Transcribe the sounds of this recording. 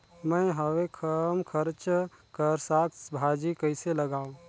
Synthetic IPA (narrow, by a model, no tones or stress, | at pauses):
məɦəwekʰəmkʰəɾt͡ʃkəɾsakbʱad͡ʒikəɪseləɡaũ